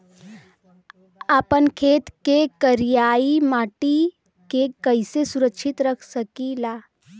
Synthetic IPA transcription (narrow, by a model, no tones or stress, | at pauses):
aːpənkʰeːt̪kekəɾijaːimaːʈi | kekəɪsesʊɾəkʃʰɪt̪ɾəkʰsəkilaː